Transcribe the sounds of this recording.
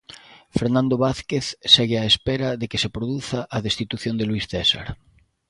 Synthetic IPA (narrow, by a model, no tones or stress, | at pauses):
feɾnãnd̪oβaθkeθseɣɪaespeɾaðekesepɾoðuθaʔːðest̪it̪uθjond̪elwisθɛsa̰ɾ